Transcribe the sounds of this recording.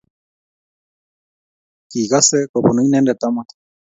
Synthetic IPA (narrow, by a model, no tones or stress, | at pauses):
kiɣasekopunɨ̃inẽnd̪et̪amãt̪